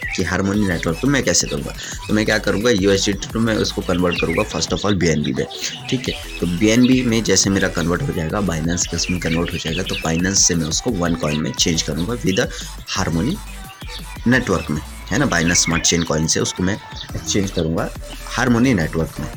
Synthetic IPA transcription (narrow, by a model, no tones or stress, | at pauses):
kiɦaːɾmoːnineːʈʋəɾk̚t̪omɛ̃kɛːsekɐɾũːŋɡa̰ | t̪omɛ̃kjaːkɐɾũːɡajuːesɖiʈʈumɛ̃ʊskokɐ̃nʋəɾʈ̚kɐɾũːŋɡafɐɾsʈɔːfɔːlbiːɛːnbḭmḛ̃ʈʰiːkɦɛ | t̪oːbiːɛːnbimẽd͡ʒɛːsemeːɾakɐnʋəɾʈɦod͡ʒaːeɡabaːɪnãːnskeʊsmẽkɐ̃nʋəɾʈɦod͡ʒaːeɡat̪obaːɪnãːnsːemɛ̃ʊskoʋɐnkɔːɪ̃nmḛ̃t͡ʃẽːnd͡ʒkɐɾũːŋɡaʋɪd̪ | haːɾmoːni | neːʈʋəɾkmẽ | ɦɛːnabaːɪnansːmaːɾʈt͡ʃẽːnkɔːɪ̃nsɦɛ̰ʊskomɛ̃ | ekt͡ʃẽːɲd͡ʒkɐɾũːɡa | haːɾmoːnineːʈʋəɾkmẽ